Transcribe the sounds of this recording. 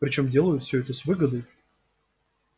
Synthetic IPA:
pɾʲɪt͡ɕo̞mdʲe̞lˠəjʊt̪fʲsʲɵɛt̪əsʲvɨɡəd̪əj

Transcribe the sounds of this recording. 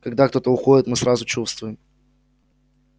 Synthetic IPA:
kɐɡd̪akt̪o̞t̪əʊxodʲɪt̪mɨsɾazʊt͡ɕust̪vʊjɪm

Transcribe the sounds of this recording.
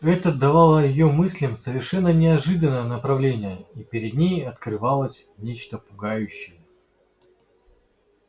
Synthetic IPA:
ɛt̪əd̪ɐvɑlˠəjɪjomɨsʲlʲəmsəvʲɪrʂɛnːənʲɪɐʐɨd̪ənːəjənəpɾɐvlʲenʲɪjəipʲɪɾʲɪd̪ʲnʲejɐt̪kɾɨvɑlˠəsʲ | nʲet͡ɕt̪əpʊɡajʉɕːɪjə

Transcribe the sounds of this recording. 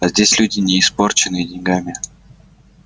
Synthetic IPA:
azʲdʲesʲlʲudʲɪnʲɪɪspo̞rt͡ɕɪnɨjədʲɪnʲɡamʲɪ

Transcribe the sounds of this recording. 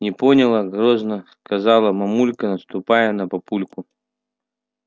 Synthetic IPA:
nʲɪponʲɪlˠəɡɾoznəskɐzɑlˠəmɐmulʲkənəst̪ʊpajənəpɐpulʲkʊ

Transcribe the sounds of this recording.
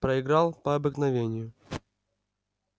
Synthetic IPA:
pɾəɪɡɾalˠpɐɐbɨknɐvʲenʲɪjʊ

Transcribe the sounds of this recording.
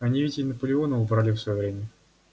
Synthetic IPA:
ɐnʲivʲɪtʲɪnəpəlʲɪonəʊbɾalʲɪfsvɐjovɾʲemʲə

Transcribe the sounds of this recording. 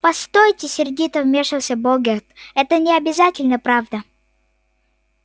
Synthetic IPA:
pɐst̪ojtʲɪsʲɪrdʲit̪əvmʲeʂɨlˠsʲəboɡʲet̪ɛt̪ənʲɪɐbʲɪzatʲɪlʲnəpɾavd̪ə

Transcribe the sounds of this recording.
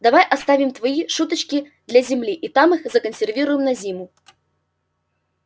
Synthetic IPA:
d̪avajʔast̪avʲimt̪vajiʂut̪ɐt͡ʃkʲi | d̪lʲɐzʲimlʲiʔit̪amɨxzɐkənsʲɛrvʲiɾujɪmnɐzʲimu

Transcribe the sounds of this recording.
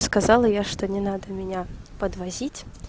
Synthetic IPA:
skazɑlˠəjaʂt̪onʲɪnad̪əmʲɪnʲapəd̪vɐzʲitʲ

